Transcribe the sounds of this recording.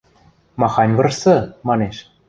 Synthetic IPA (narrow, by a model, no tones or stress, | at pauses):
mɑxɑnʲvɤ̆rsɤ̆mɑneʃ